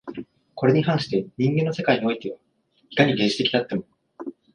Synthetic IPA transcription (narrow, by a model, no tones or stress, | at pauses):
ko̞ɾe̞ɲ̟iɦãɰ̃ɕi̥t̪e̞ɲ̟ĩŋɡenːo̞se̞kaiɲ̟io̞it̪e̞βa | i̥kaɲ̟iɡẽ̞nʑi̥t̪ekʲinat̪ːe̞mo̞